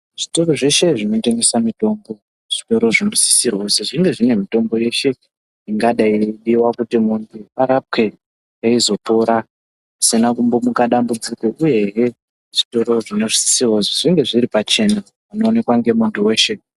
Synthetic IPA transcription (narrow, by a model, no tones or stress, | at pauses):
ʐ̥ito̞ro̞ʐe̞ʃe̞ʐino̞te̞ŋɡe̞samito̞mbo̞ | ʐ̥ito̞ɾo̞ʐino̞si̥sirwoseʐiŋɡe̞ʐine̞mito̞mbo̞je̞ʃe̞ | iŋɡaɗaiɗiwakutimuntʰuaɾap̚ke̞ | jaizo̞po̞ɾa | asinakumbomukaɗambud͡zikweʔuje̞ɦe | ʐ̥ito̞ɾo̞ʐino̞ʐisi̥sirwozoʐiŋɡe̞ʐiripat͡ʃe̞na | uno̞ːne̞kwaŋɡe̞muntuwe̞ːʃe̞